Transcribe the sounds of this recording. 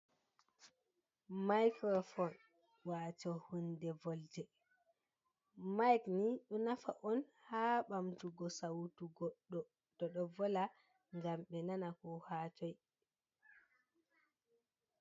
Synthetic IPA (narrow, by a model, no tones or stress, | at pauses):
majkɾɔfɔn | wat͡ʃɔhundɛvɔldɛ | majkniɗɔnafaʔɔnhaːɓamtuɡɔsawtuɡɔɗɔ | d̥ɔɗɔvɔla | ŋɡamɓɛnanakɔhaːt͡ʃɔj